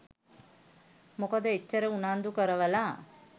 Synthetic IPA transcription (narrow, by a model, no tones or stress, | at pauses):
mokəd̪əet͡ʃːəɾəunand̪ukəɾəʋəlaː